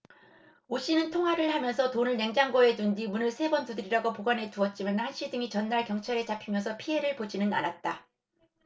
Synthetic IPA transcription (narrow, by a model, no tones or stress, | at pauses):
oɕ͈inɯntʰoŋɦwaɾɯɭhamjʌnsʰʌtonɯɭneŋd͡ʑaŋɡʌe̞dundimunɯɭsʰe̞bʌntudɯɾiɾaɡopoɡwane̞tuʌt̚t͡ɕ͈imanhanɕ͈idɯŋit͡ɕʌnːaɭkjʌŋt͡ɕʰaɾe̞t͡ɕapʰimjʌnsʰʌpʰiɦe̞ɾɯɭpod͡ʑinɯna̰nat̚t͈a